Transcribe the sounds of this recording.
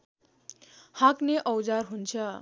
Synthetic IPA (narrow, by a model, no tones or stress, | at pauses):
hãkneʔʌwd͡zarɦunt͡sʰʌ